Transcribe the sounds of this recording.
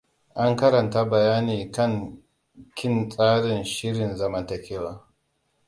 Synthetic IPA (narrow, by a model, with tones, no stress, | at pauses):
ʔa˦ŋkɐ˦ɾɐ˨nta˦bɐ˨jaː˦niː˨kɐ˦ŋ | kʲɪ˦nt͡sʼaː˦ɽɪ˨nʃɪ˦ɽɪ˨nzɐ˦mɐ˨ntɐ˨kʲʰeː˦waː˦